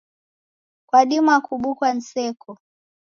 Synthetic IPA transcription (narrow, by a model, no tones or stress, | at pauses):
kwaɗimuakuɓukwan̩sɛkʰɔ